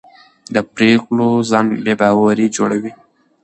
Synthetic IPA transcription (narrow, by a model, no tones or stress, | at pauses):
d̪əpɾeklozɑnbebɑwaɾid͡ʒoɽawi